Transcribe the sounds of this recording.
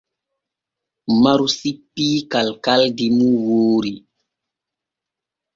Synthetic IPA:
maɾusipːiːkalkaldimuwoːɾi

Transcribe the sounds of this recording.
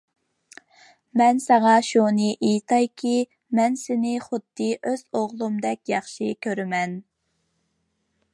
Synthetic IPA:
mɛnsɑʁɑʃunɨʔejt̪ʰɑjkʲʰi | mɛnsɪnɪχʊd̪ːɨʔøz̥oʁlˠumd̪ɛkʲjɑχʃikʲʰøɾɪmɛn

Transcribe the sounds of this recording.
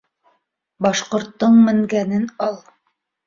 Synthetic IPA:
bɑʃqŏɾt̪ːɤɴmɘ̆ŋɡænɘnɑlˠ

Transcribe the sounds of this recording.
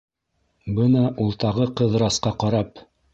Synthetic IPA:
bɤnɑʔulˠt̪ɑʁɤqɤ̆ðɾɑsqɑqɑɾɑp

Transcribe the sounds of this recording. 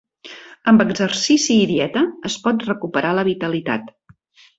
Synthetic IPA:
əmbəɡzərsisiːðiɛt̪əːspɔt̪rəkupəɾaləβ̞it̪əlit̪a̰t̪

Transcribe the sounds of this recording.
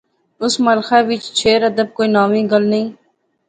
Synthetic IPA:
ʊsmɐlxaːʋɪt͡ʃt͡ʃʰeːɾəd̪əb̚koːiːnaːʋĩːɡəlnɐĩː

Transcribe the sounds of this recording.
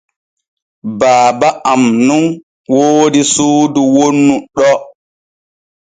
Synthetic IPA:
baːbaʔamnun | woːdisuːduwonːuɗɔ

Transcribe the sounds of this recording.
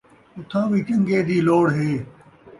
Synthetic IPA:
ʊt̪ʰãːbiːt͡ʃə̃ŋɡeːd̪iːloːɽɦeː

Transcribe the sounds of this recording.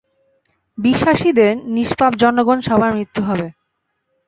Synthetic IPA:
biʃːaʃid̪eɾniʃpapd͡ʑɔnːoɡonʃɔbʱaɾmɾit̪ːuɦɔbe

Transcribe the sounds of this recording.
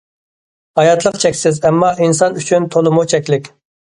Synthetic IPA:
hɑjɑt̪ʰlˠəqt͡ʃʰɛkʲsɪzɛmːɑʔinsɑnyt͡ʃʰynt̪ʰolˠʊmut͡ʃʰɛkʲlɪkʲ

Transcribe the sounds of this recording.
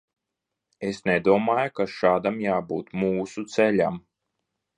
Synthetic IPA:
esned̪uɔmaːjukaʃaːd̪amjaːbuːt̪muːsut̪sɛʎʲa̰m

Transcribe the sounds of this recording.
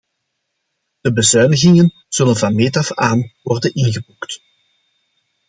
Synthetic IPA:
d̥əbəzœɥnəɣɪŋən | z̥ɵlənvɑnmeːtɑfaːnʋɔrdənɪnɣəbukt

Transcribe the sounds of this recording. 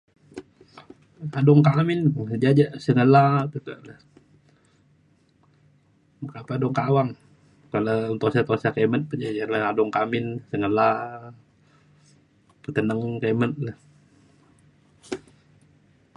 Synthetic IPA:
adɔŋkamɪnəd͡ʒad͡ʒaʔsəŋəlat̪ət̪ulah | makapaadɔŋkawaŋ | kalount̪osat̪osakemən̚pəd͡ʒad͡ʒanlahŋadɔŋkamɪnsəŋəla | pət̪ənəŋkemət̪̚ləh

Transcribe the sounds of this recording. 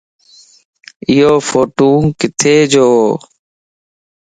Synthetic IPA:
ɪɦoːfoːʈũːkɪt̪ʰeːd͡ʒoː

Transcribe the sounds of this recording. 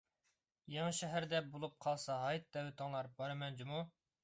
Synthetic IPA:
jɑŋɨʃɛɦæɾd̪ɛbolˠup̚qʰɑlˠsɑɦɑjt̪̚d̪ɛwɪt̪ʰɨŋlˠɑɾbɑɾɨmɛnd͡ʒimu

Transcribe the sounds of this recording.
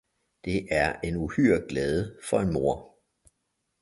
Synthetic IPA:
d̥e̝ʔæɐe̝nuhyɐ̰ɡ̥lɛːð̞ˠəfɒ̽e̝nmo̝ɐ̰

